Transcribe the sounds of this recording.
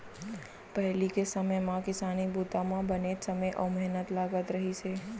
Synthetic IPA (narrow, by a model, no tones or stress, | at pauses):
pəɦlikesəməjmãkɪsanibut̪amãbənet͡ʃsəməjʔə̰mɛɦnət̪laɡət̪ɾəɦit͡ʃʰe